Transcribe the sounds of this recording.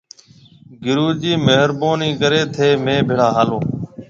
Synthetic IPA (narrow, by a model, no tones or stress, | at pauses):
ɡɪɾuːd͡ʒiːmeɦəɾboːniːkəɾeːt̪ʰeːmẽːbʱɪɽaːɦaːlõː